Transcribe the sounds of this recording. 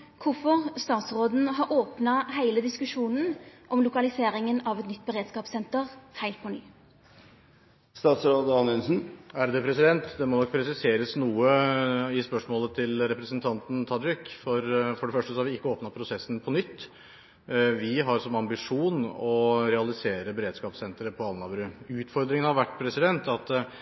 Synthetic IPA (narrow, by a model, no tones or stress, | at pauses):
kʰʊfɔʁst̪ɑːt̪sɾoːd̪n̩ɦɑɾoːpnɑhæɪləd̪ɪskʉʂuːnən̩ʔɔmlʊkɑlɪseːɾɪŋənɑʋɛt̪nʏt̪̚ːbəɾeːd̪skɑːpsɛnt̪əʁhæɪlt̪̚pʰɔny̰ː | st̪ɑːt̪sɾoːd̪əɑnɛnsn̩æɾd̪ɛpʰɾɛsɪd̪ɛnt̪d̪ɛmɔnɔkːpʰɾɛsɪseːɾəsnuːəɪspœʂmoːlət̪ʰɪlɾɛpɾəsənt̪ʰɑnt̪n̩t̪ʰɑd̪ɾɪkfɔɾfɔɖɛfœʂʈəsɔhɑɾʋɪɪkːəoːpnɑpʰɾʊsɛsːn̩pʰɔnʏt̪ː | ʋɪɦɑɾsɔmɑmbɪʂuːnɔɾɛɑlɪseːɾəbɛɾeːd̪skɑːpsɛnt̪ɾəpʰɔɑlnɑbɾʉʉːt̪fɔɾd̪ɾɪŋənhɑɾʋæʈːpʰɾɛsɪd̪ɛnt̪ɑt̪